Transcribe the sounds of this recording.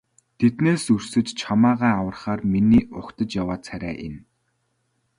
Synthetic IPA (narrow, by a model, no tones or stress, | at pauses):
t̪ʰet̪neːsɵr̥sɘ̆t͡ɕt͡ɕʰamaːʁaːawə̆rχaːrminiːʔʊkt̪ə̆t͡ɕjawaːt̪t͡sʰæɾʲæ̰ːʔḛn